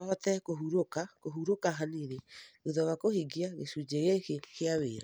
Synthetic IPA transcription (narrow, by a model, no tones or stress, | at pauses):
aɔtɛkoɦuɾokakoɦuɾokaɦaniɾeuðɔɣakohiɡiaɣḛsud͡ʑeɣekekeaweːɾa